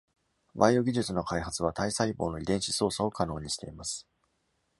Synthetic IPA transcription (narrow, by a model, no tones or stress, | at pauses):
baio̞ɡʲiʑɨt͡sɨno̞kaiɦat͡sɨβ̞at̪aisaibo̞ːno̞id̪ẽ̞ɰ̃ɕi̥so̞ːsao̞kano̞ːɲ̟iɕi̥t̪e̞̰imasɨ̥